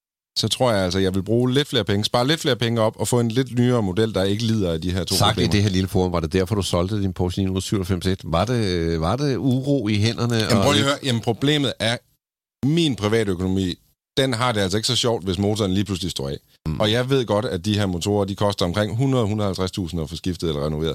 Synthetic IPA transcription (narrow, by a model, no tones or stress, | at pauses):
sɒ̽t͡sʰʁo̝ɐ̰jɑ̈ɪæl̰sɒjɑ̈ɪʋe̝lb̥ʁuːle̝d̥fle̝ːɐpʰeŋəsb̥ɑ̈ːle̝d̥fle̝ːɐpʰeŋəɒ̽b̥ɒ̽fɔ̽enle̝d̥nyːɐːmo̝d̥el̰d̥ɑ̈e̝ɡ̥əliːð̞ˠɐæd̥iɦeɐ̰t͡sʰo̰ːɑ̈ɡ̥b̰e̥imdeheɐ̰liləfoːɔ̽mʋɑ̈d̥e̝d̥æɐ̰fɒd̥usɒ̽ld̥əd̥inpʰoɕlḭnuð̰ˠsyʊ̰ɒfem̰sed̥ʋɑ̈d̥eʋɑ̈d̥euʁoːiɦen̰ɐnəmmʰʁɔːøɐjæmənpʰʁo̝b̥le̝̰ːmð̩ˠʔæɐ | minpʰʁiʋɛ̰ːɾøkʰo̝no̝mḭː | d̥enɦɑ̈d̥e̝æl̰sɒ̽e̝ɡ̥əsɒ̽ɕɒʊ̰d̥ʋe̝smo̝ːt͡sʰɒːnliːpʰluslisd̥o̰ɛ̰ | ɒ̽jɑ̈ɪʋe̝ð̞̰ˠɡ̥ɒ̽ɾ̥æd̥iɦeɐ̰mo̝t͡sʰo̝̰ːɐd̥ikʰɒ̽sd̥ɐɒ̽mkʰʁeŋ̰ɦunʁɐðˠhunɐð̩ˠhælt͡sʰʁast͡sʰṵːsn̩ɒfɒ̽sɡ̥ifd̥ð̞̩ˠelɐʁɛno̝ʋḛɐðˠ